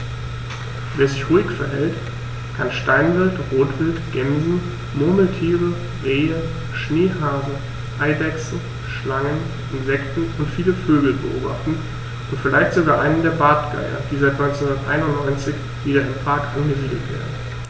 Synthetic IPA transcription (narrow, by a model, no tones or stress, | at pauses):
veːɐzɪçʁuːɪkfɛɐɦɛlt | kʰanʃtaɪnvɪltʁoːtv̥ɪltɡ̥ɛmzn̩ | moːml̩tʰiːʁə | ʁeːə | ʃneːɦaːzə | ʔaɪdɛksn̩ | ʃlaŋən | ʔɪnzɛktn̩ʊntfiːləføːɡl̩bə̰ʔo̰ːbaχtn̩ | ʊntfɪlaɪçtz̥oɡaːʔaɪnəndeːɐbaɐtɡ̥a̰ɪɐ̰d̥iːzaɪtnɔʏnt͡sɛnhʊndɐtʔa̰ɪnʊntnɔʏnt͡sɪç | viːɾɐɪnpʁ̥aːkʔanɡəziːdl̩tv̥ḛːɐdn̩